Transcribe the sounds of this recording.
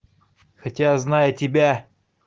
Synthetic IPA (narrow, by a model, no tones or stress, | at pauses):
xɐtʲaznajətʲɪbʲa